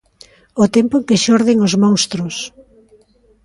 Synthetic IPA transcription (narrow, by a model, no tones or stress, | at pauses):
ot̪ɛmpʊeŋkeʃɔɾðɪŋozmõŋst̪ɾʊs